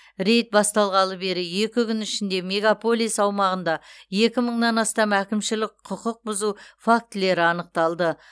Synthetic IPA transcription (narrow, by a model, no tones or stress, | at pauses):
ɾe̞jt̪̚bɑst̪ɑlˠʁɑlˠəbe̞ɾɪje̞kʲɪkʲʰʏnɪʃɪnd̪e̞me̞ɡapo̞lijsɑwmɑʁənd̪ɑje̞kʲɪməɴnɑnɑst̪ɑmækʲɪmʃɪlɪk̚qʰʊqəq̚bʊzufak̚t̪ɪle̞ɾɪɑnəq̚t̪ɑlˠd̪ə